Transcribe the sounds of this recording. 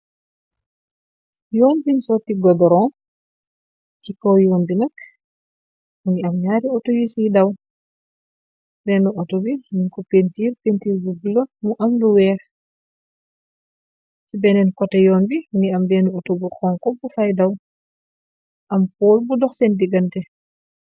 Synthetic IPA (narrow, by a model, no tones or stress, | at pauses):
jɔːnbinsɔtiɡɔdɔɾɔ | cikːɔwjɔːnbinɐk | uniamɲaːɾiɔtojisijdaw | bɛːnuʔɔtobinunkɔpentiːɾpentiːɾbubilɔmuʔɐmluwɛːx | sibɛnɛnkɔtɛjɔːnbiuniambɛnuɔtobukɔːŋkɔbufajdaw | ʔɐmpɔːlbudɔxsɛndiɡɐntɛ